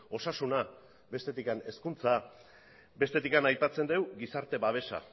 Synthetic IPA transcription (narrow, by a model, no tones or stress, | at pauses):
o̞sasuna | βe̞st̪e̞t̪ikane̞skunt͡sa | be̞st̪e̞t̪ikanajpat͡se̞nd̪e̞wɡisaɾt̪e̞βaβ̞e̞sa̰